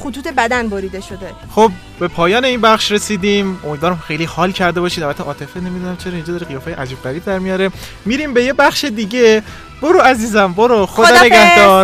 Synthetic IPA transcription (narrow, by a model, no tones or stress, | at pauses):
xut̪ʰuːt̪ʰebæd̪ænboɾiːd̪eʃod̪e | xob̚ | be̞pʰɒːjɒːne̞iːnbæχʃɾe̞siːd̪iːmomiːd̪vɒːɾæmxe̞jlihɒːlcʰæɾd̪e̞bɒːʃiːd̪ævæt̪ʰːeʔɒːt̪ʰe̞fene̞mid̪unæmt͡ʃʰeɾɒind͡ʒɒd̪ɒːɾeɣijɒːfejeʔæd͡ʒiːbvæɾiːbd̪æɾmijɒːɾe̞ | miːɾimbe̞je̞bæχʃe̞d̪iːɟe̞ | b̥o̞ɾoæziːzæmbo̞ɾoxod̪ɒneɡæhd̪ɒːɾ